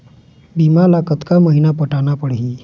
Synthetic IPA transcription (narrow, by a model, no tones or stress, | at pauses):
bimalakət̪kaməɦinapəʈanapəɽɦi